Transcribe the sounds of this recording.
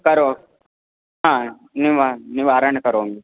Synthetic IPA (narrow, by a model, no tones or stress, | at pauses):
kɐɾoː | ɦãː | niʋaniʋaːɾɐɳkɐɾoːŋɡi